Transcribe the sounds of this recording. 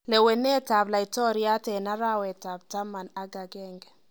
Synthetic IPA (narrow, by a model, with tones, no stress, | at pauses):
le˨we˨ne˦ta˨bla˨ɪ˨tɔ˦ɾi˦a˦tɛ˨na˦ɾa˦wɛ˨ta˨b̚ta˦ma˨na˦ɡa˨ɡɛ˦˨ŋɡ